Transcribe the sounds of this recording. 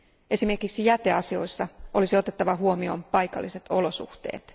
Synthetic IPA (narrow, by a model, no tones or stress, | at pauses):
e̞sime̞rkiksijæt̪eɑsio̞jsːɑʔo̞lisio̞t̪e̞t̪ːɑʋɑɦuo̞mio̞̰ːmpɑjkɑ̰lːise̞t̪o̞lo̞sṵht̪ḛːt̪